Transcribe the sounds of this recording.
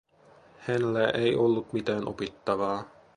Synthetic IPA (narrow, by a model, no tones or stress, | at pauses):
hænlæʔejʔolːut̪mit̪æːnʔo̰pit̪ːɑʋɑː